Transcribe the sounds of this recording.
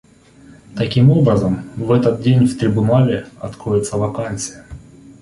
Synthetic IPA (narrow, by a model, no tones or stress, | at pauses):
t̪ɐkʲimo̞bɾəzəmvɛt̪ət̪̚dʲenʲft̪ɾʲɪbʊnalʲɪɐt̪kɾojʲɪt̪səvɐkansʲɨjə